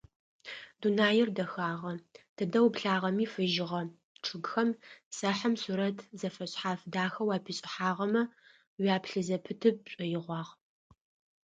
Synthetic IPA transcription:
dunaːjɪrdɐxaːʁɐtʰɨdɐwbɬaːʁɐmiːfɨʒɪʁɐ | ʈ͡ʂʰɨɡxɐmsɐħɐmsuːɾɐtʰzɐfɐɕʼħaːfdaːxɐwaːpʰiːɕʼɪħaːʁɐmɐ | waːpʰɬɨzɐpʰɨtʰɨp̚ɕʼɐjɪʁʷɑːʁ

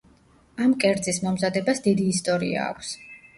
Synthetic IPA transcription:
amkʼɛɾd̪zismɔmzad̪ɛbasd̪id̪iːst̪ʼɔɾḭa̰ːkʷʰs

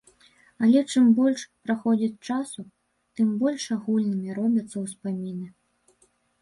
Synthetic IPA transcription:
ɐlʲɛt͡ʂɨmbɔlʲʂpɾaxɔd͡zʲit͡sʲt͡ʂasu | t̪ɨmbɔlʲʂaɣulʲnɨmʲiɾɔbʲɐt̪sːɐwspamʲinɨ

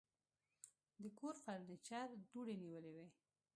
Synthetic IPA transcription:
d̪əkoɾfaɾnət͡ʃaɾd̪uɽeniwəlewe

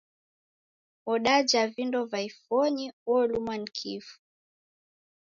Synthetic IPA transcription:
ɔɗad͡ʒavindɔvaifɔɲiɔlumwanikʰḭfu̥

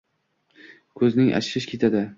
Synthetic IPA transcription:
kʰɵznɪŋʔa̰t͡ʃɪɾɪʃkʲʰe̞t̪ʰad̪ɪ

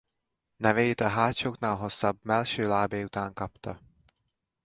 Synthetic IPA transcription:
nɛveːjit̪ɒɦaːc̪ʃoːknaːlɦo̞sːɒbmɛlʃøːlaːbeːjut̪aːŋkɒpt̪ɒ

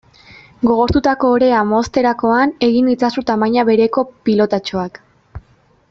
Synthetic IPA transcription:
ɡo̞ɣ̞o̞ɾt̪ut̪ako̞ːɾe̞amo̞st̪e̞ɾako̞ane̞ɣinit͡sasut̪amajɲaβe̞ɾe̞ko̞pilo̞t̪at͡ʃo̞ak

